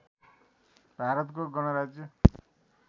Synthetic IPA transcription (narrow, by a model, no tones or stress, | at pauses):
bʱaɾʌt̪koɡʌɽ̃ʌɾad͡zjʌ